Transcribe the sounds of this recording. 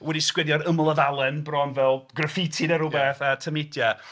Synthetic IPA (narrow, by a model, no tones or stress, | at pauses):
wɛdiskwɛdjɔɾəmlˠəvalˠɛnbrɔnvɛlˠɡrəfɪtʰɪdɛɾʊbɛθatʰəmɪdja